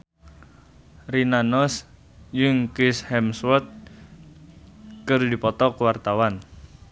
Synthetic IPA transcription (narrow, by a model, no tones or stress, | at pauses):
rinanɔs | juŋkishɛmswɔt̪̚ | kɨrdipɔt̪ɔkwart̪awan